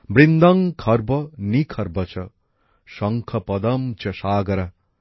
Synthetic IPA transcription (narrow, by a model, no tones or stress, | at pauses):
bɾind̪ɐŋkʰɐɾbɐnikʰɐɾbɐt͡ʃʰɐ | ʃɐŋkʰɐpɐd̪ɐmt͡ʃʰɐʃaːɡɐɾɐ